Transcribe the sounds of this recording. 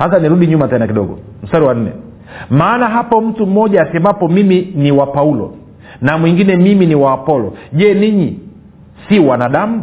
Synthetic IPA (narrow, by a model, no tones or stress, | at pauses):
hat̬aniɾuɗiɲumatɛnak̬iɗɔɡɔ̰ | m̩saɾiwan̩nɛ̰ | maːnaɦapɔm̩tum̩ːɔʄaːsɛmapɔmiminiwapaulɔ̰ | namwiŋɡinɛmiminiwaːpɔlɔʄɛniɲi | siwanaɗam̩